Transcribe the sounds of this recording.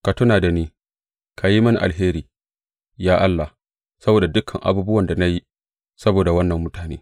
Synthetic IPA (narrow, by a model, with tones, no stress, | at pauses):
ka˨tʊ˦naː˨da˨niː˦ | kʰa˨ji˦mɐ˦ni˨ʔa˨lɦeː˦ɾiː˨ | jaː˦ʔa˦lːa˨h | sɐ˦boː˨da˨dʊ˦kʰɐ˨ŋʔa̰˨buː˦bʊ˦wɐ˨nda˨na˦ji˦ | sɐ˦boː˨da˨wɐ˦nːɐ˨mːʊ˦taː˨nḛː˦